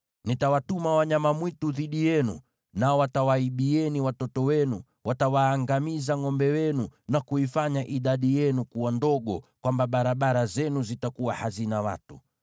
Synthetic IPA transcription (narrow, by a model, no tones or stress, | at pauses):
nitawatumawaɲamamwituðiɗijɛnu | naɔwatawaiɓiɛniwatɔtɔwɛnu | watawaːŋɡamizaŋɔmbɛwɛnunakuifaɲaʔiɗaɗijɛnukuwandɔɠɔkwambaɓaɾaɓaɾazɛnuzitakuwahazinawa̰tu